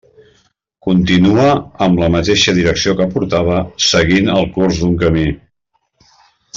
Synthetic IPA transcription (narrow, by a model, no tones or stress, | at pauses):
kunt̪inuəːmləmət̪eʃəðiɾəksiokəpuɾt̪aβ̞əsəɣinəlˠkurzðuŋkəmi